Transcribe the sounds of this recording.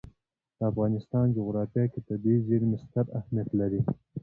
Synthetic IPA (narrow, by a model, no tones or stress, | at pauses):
d̪̥əafɣɑnɪst̪ɑnd͡ʒoɣɾɑfjɑket̪əd̪ezeɾmɪst̪aɾahmijat̪laɾi